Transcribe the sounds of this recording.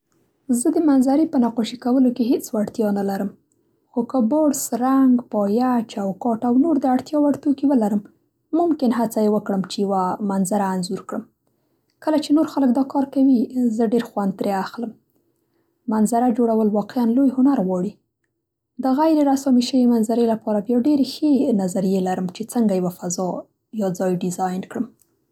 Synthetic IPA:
zəd̪əmanzaɾipənaqoʃikawəlokeɦet͡swaɽt̪jɑnalaɾəm | xokəboɽsɾaŋɡpɑjat͡ʃawkɑʈawnoɾd̪əaɽt̪jɑwaɽt̪okiwəlaɾəmː | ʊmkɪnɦat͡sajewəkɽəmt͡ʃejawamanzaɾaːnzuɾkɽəm | kəlat͡ʃenoɾxalək̚d̪ɑkɑɾkawizəɖeɾxwand̪ɾeaxləm | manzaɾad͡ʒoɽawəlwɑqeanlojhʊnaɾɣwɑɽi | d̪əɣajɾeɾasɑmiʃəwemanzaɾelapɑɾabjɑɖeɾexenazaɾijelaɾəmt͡ʃet͡səŋɡajawafazɑ | jɑd͡zɑjɖɪzɑjnkɽəm

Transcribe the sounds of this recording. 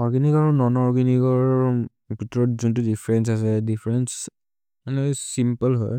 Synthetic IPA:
ɔɹɡiniɡaɹɔnɔnɔɹɡɛniɡɔɹ | bʱitɔɹɔtzuntudifʰɹɛns̬as̬ɛdipʰɹɛns | manɛsimpəlɦɔj

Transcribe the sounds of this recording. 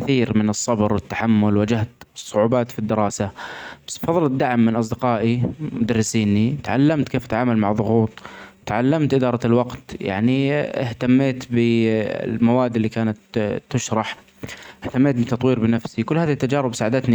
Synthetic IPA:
kθiːɾmɪnɨsˤːɑbɾwɪt̪ːḁħamːʊlwad͡ʒaht̪sˤːʊʕuːbaːt̪fid̪ːɪɾˤɑːsab̥ḁsbfɑðˤːɨld̪aʕmːɪnʔɑs̬ˤd̪ɪqɑːʔimʊd̪arːɪsiːnit̪ʕa̰lːamt̪kʰeːfat̪ʕaːmalmaʕðˤʊɣuːt̪ˤt̪ʕalːamt̪ʔɪd̪ɑːɾˤɑɪlwɑqt̪ja̰ʕniɪht̪amːeːt̪bɪ̰lmawaːd̪ːɪlːiːkaːnat̪ːʊʃɾˤɑħ | ʔɪht̪amːeːt̪̚bɪt̪ɑt̪ˤwiːɾbɪnafsikʊlːhaːðit̪ːad͡ʒaːɾɪbsaːʕad̪at̪ni

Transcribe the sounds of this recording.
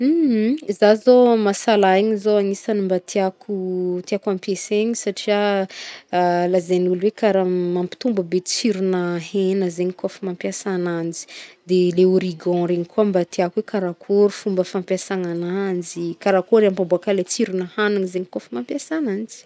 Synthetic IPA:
m̩h̩zazomasalaiɲizoaŋisanimbat̪ʰiakʰut̪iakãmpeseɲisaʈ͡ʂia | lazenulwekaɾamampi̥t̪umbəbet͡siɾunəɦenəzeɲikofumampjasanand͡ʒi̥d̪eleuɾiɡɔ̃ɾeɲikʰuambat̪iakuwekaɾakʰoɾufumbəfãmpjasananand͡ʒikaɾakoɾampambuakalet͡siɾunəhanaŋizeɲikofimampjasanand͡ʒi̥

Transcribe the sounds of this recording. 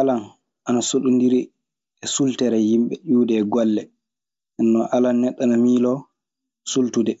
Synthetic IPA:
ʔalan | ʔanasoɗundiɾi | ɛsultɛɾɛjimɓɛɗuːdɛɡɔlːɛ | ʔɛnːɔʔalanːɛɗːanamiːlɔ | sultudɛ

